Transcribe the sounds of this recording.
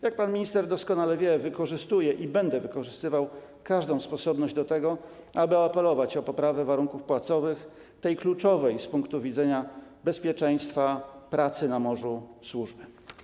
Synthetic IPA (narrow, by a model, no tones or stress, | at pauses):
jak̚panmʲiɲist̪ɛɾd̪ɔskɔnalɛvʲjɛvɘkɔʐɘst̪ujɛʔibɛnd̪ɛvɘkɔʐɘst̪ɘvaw | kaʐd̪ɔ̃w̃spɔsɔbnɔʑd͡ʑd̪ɔt̪ɛɡɔ | abɘapɛlɔvat͡ɕɔpɔpɾavɛvaɾuŋkufpwat̪sɔvɘx | t̪ɛjklut͡ʂɔvɛjspuŋkt̪uvʲid̪zɛɲabɛspʲjɛt͡ʂɛj̃st̪fapɾat̪sɘnamɔʐuswuʐbɘ